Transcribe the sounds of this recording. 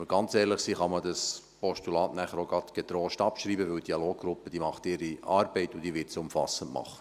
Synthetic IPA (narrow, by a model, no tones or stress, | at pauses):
əɡ̥ɑnt͡sɛːɾləχsiːχɑmədɑs | pɔʃtulɑːtnæχəɾoɡɑtɡ̥ɛt̪ɾoːʃtɑpʃɾiːbəʋʏld̥iɑloːɡɡ̥ɾʊpːəd̥iːmɑχtɪɾiɑːɾbɛɪtʊd̥̪iːʋɪtsʊmfɑ̰səntmɑ̰χə̥